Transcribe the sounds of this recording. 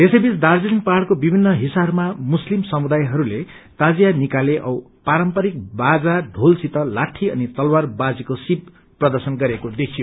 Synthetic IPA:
esejbisd̪ard͡zilinpaɽkobibʱinːʌɦisabmamuslimsʌmud̪ajɦʌɾule | t̪ad͡zijanikaleʔʌw | paɾʌmpʌɾik̚bad͡zaɖʱolsit̪ʌlaʈʰiʌ̰nit̪ʌlwarbad͡zikosib̚ | prʌd̪ʌrsʌnɡʌɾekod̪ekʰijo

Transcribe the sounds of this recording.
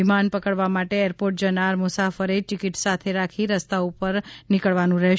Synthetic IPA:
imanpəkəɭʋamaʈeeɾpoɾʈ̚d͡ʒənaɾmʊsafəɾeʈɪkɪʈsat̪ʰeɾakʰiɾəst̪aupəɾnɪkəɭʋanũɾɛɦ

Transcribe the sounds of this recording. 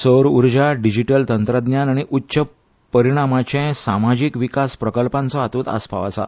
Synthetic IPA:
səɾuɾd͡ʑaɖid͡ʑiʈəlt̪ənt̪ɾəd̪njanaɽ̃iʔutːɕə | pəɾiɽ̃amat͡ɕɛ̃samad͡ʑikʋikaspɾəkəlpãnt͡sɔat̪uːt̪a̰spʰa̰ʋa̰sa̰

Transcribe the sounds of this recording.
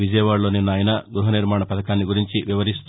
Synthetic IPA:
ʋid͡ʒɐjʋaːɭːo̞ːninːaːjɐnɐɡɾuɦɐniɾmaːɳɐpɐt̪ɐkaːnːiɡuɾiɲt͡ʃiʋiʋɐɾist̪

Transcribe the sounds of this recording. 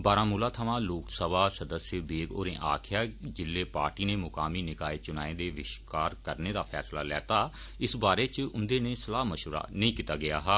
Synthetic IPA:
baːɾãːmuːlaːt̪ʰəʋãːloːksəbaːsəd̪əsjəbeːɡo̰ːɾẽːʔaːkʰjaːd͡ʒɪlːeːpaːɾʈiːneːmʊkaːmiːnɪkaːet͡ʃʊnaːẽːd̪eːʋɪʃkaːɾkəɾneːd̪aːpʰɛ̰ːsla̰ːlɛ̰ːt̪aː | ɪsbaːɾeːt͡ʃʊnd̪eːnẽːsəlaːməʃɾa̰ːnəĩːkiːt̪aːɡɪjaːɦaː

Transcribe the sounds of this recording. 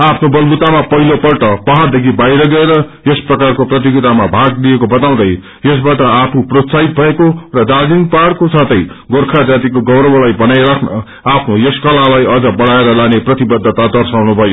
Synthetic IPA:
apʰnobʌlbut̪amapʌɦilopʌrʈʌpʌɦard̪ekʰibajɾʌɡʌeɾʌjesprʌkarkoprʌt̪̬iɡit̪amabʱaɡliekobʌt̪aw̃d̪ʌj | jes̬baʈʌapʰuprot̪sait̪̚bʱʌekorʌd̪ad͡zinpaɽkosat̪ʌjɡorkʰad͡zat̪̬ikoɡʌbɾʌbʌlajbʌnajɾakʰnʌ̰ | apʰnojeskʌlalajʌd͡zʌbʌɽ̤aeɾʌlaneprʌt̪ibʌd̪ʱːʌt̪ad̪ʌrsawnubʱʌjo

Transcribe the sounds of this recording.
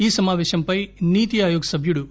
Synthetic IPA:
iːsɐmaːʋɛːʃɐmpɐjniːt̪iaːjoːɡɐsɐbʱjuɽu

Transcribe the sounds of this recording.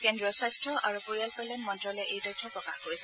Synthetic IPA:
kendɹɔswajstɹɔʔaɹupuɹijalpɔjlɛnmɔntɹɔlɛʔejdɔtʰɔpɹɔkaxkoɹisɛ̥

